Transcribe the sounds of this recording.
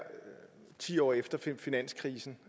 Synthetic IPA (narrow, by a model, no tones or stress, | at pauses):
t͡sʰḭːɒ̰ːefd̥ɐfinæn̰skʰʁiːsn̩